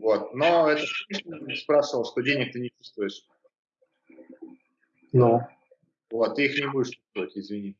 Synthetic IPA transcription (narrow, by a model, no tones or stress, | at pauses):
vo̞t̪̚no̞ɛt̪əsʲiʂnspɾaʂɨvəlˠʂt̪o̞dʲenʲɪk̚t̪ɨnʲɪt͡ɕu̥st̪vʊjɪʂ | no | vot̪ːɨixnʲɪbudʲɪʂt͡ʃu̥st̪vəvətʲɪzvʲɪnʲi